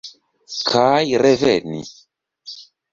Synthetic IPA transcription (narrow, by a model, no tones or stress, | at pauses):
kʰajɾɛvɛnḭ